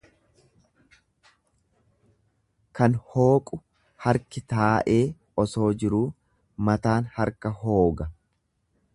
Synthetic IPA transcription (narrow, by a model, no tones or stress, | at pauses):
kɐnho̞ːkʼʊ | hɐɾkɪt̪aːʔe̞ː | ɔso̞ːd͡ʒɪɾuː | mɐt̪aːnhɐɾkɐɦo̞ːɡɐ